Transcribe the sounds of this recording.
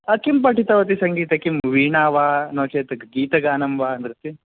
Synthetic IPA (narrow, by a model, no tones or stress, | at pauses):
ɐkimpɐʈit̪ɐʋɐt̪̬isɐŋɡiːt̪ɐkimʋiːɳaːʋaːnoːt͡ʃeːt̪ɐɡɡiːt̪ɐɡaːnɐmʋaːɐnd̪ɾut̪ːi